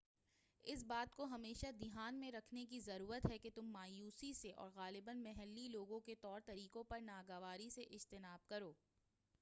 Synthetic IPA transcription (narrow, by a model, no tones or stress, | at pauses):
ɪsbaːt̪koɦɐmeːʃad̪ɪɦaːnmẽɾɐkʰnekizɐɾuːɾət̪ɦɛket̪ʊmːaːjuːsiseʔɔ̰ːɾɣaːlɪbənmɛɦɛlːiloːɡõket̪ɔːɾt̪ɐɾiːkõpɐɾnaːɡəʋaːɾiseʔɪd͡ʒt̪ɪnaːb̚kɐɾoː